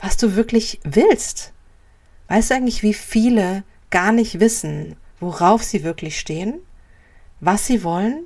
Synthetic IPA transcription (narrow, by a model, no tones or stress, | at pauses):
v̥asd̥uːvɪɐklɪçvɪlst | vaɪstduːʔaɪŋ̩tlɪçv̥iːfiːlə | ɡ̥aːɐnɪçtv̥ɪsn̩voʁaʊfz̥iːvɪɐklɪçʃteːən | vasz̥iːvɔlən